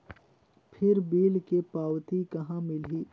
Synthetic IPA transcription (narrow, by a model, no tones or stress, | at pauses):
pʰɪɾbiːlkepaːwt̪ikɐɦãmɪliː